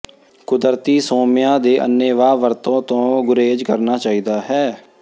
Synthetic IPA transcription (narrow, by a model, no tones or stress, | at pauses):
kʊd̪əɾt̪iːsoːmɪjãːd̪eːʔə̰nːeːʋaːʋəɾt̪õːt̪õːɡʊɾeːd͡ʒkəɾnaːt͡ʃaːiːd̪aːɦɛː